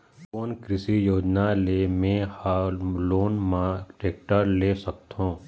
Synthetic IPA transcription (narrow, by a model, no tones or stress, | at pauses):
koːnkɾɪsijoːd͡ʒnalemẽhaːloːnmãʈɾeːk̚ʈəɾleːsək̚t̪ɦõː